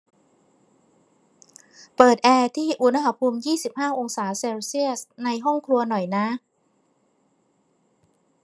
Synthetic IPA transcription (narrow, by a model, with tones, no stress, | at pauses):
pɤː˨˩t̪̚ʔɛː˧t̪ʰiː˥˩ʔu˧˥na˧ha˧pʰuː˧mjiː˥˩si˨˩p̚haː˥˩ʔo˧ŋsaː˩˦seː˧wsi˥˩əsna˧jɦɔ˥˩ŋkʰɾu˧ɐnɔ˨˩jna˦˥